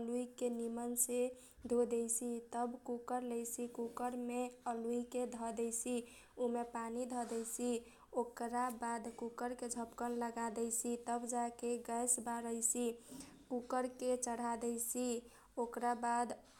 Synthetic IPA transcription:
luikenimənse | d̪ʱod̪ɛjsit̪əbkukəɾləjsikukəɾmeəluiked̪ʱɔd̪ɛjsi | umepanid̪ʱɔd̪ɛsi | okɾabad̪kukəɾked͡ʒʱəpkənləɡad̪ɛjsʰit̪əbd͡ʒakeɡəjsbaɾəjsikukəɾket͡ʃəɽ̤ad̪ɛjsi | okɾabad̪

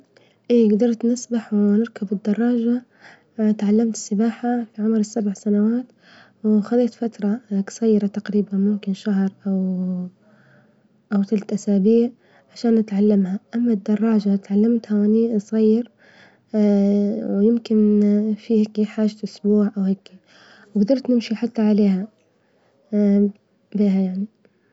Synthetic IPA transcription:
ʔiːɡd̪ɑɾˤt̪nɪsbaħwnɪɾˤkabɪd̪ːɑrˤːɑːd͡ʒa | t̪ʕalːamt̪ɪ̥sːɪbaːħafiʕʊmɾɪsːabʕsanawaːt̪ | wxɑˤiːt̪fat̪ɾˤɑksˤɑjːɾɑt̪aqɾiːbanmʊmkɪnʃaɦɾˤʔaw | ʔawt̪alt̪ʔasaːbiːʕ | ʕaʃaːnːɪt̪ʕalːamhaʔamːad̪ːɑrˤːɑːd͡ʒat̪ʕalːamt̪hawʔɪnisˤɑjːɪɾ | wjɪmkɪnfihaːkːiħaːʒaʔʊsbuːʕʔawheːki | wɡd̪ɑɾˤt̪nɪmʃiħat̪ːaʕaleːha | biːɦajaʕni

